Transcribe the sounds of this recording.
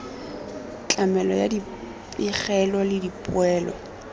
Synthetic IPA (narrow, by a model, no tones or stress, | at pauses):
t͡ɬʼamɛlɔjadi | ɪχɛlɔlɪdipʼwɛːlɔ̰